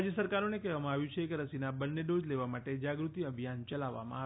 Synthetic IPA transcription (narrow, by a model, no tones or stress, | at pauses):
d͡ʒjəsəɾkaɾonekɛɦʋamãaʋjũt͡ʃʰekeɾəsinabənːeɖod͡ʒleʋamaʈed͡ʒaɡɾut̪iəbʱijant͡ʃəlaʋːa̰mã̰a